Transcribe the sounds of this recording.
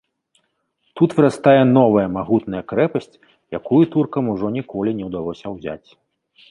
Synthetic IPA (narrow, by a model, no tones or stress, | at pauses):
t̪ut̪vɨɾast̪ajɛnɔvɐjɐmaɣut̪nɐjɐkɾɛpɐsʲt͡sʲ | jakujut̪urkɐmuʐɔnʲikɔlʲinʲɛwd̪alˠɔsʲɐwzʲa̰t͡sʲ